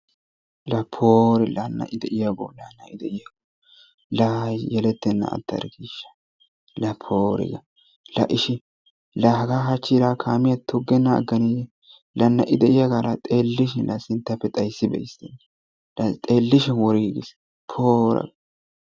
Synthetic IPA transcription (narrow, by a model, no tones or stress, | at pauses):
lɐpʰːoːɾɪlɐnːɐ̰ʔɪd̪ɛʔɪjɐɡo̰lɐnːɐʔɪd̪ɛʔɪjɐɡo | lɐjɛlɛt̪ːɛnːɐ̰ːt̪ːɐ̰ɾɡiʃːɐ̥ | lɐpʰːoːɾɪ̰ɡɐ | lɐʔɪʃɪ | lɐɦɐɡaːɦɐt͡ʃːiɾaːkʰaːmɪjɐt̪ʊɡːɛnːɐ̰ːɡːɐniːjɛ | lɐnːɐʔɪd̪ɛʔɪjɐɡalɐt̪ʼeːlːɪʃɪnlɐsɪnt̪ːɐpːɛt̪ʼɐjsːɪbɛ̰jɪst̪ɛnːɐ | t̪ʼeːlːɪʃɪnwɔɾiɡɪs | pʰoːɾɐ̰ɡ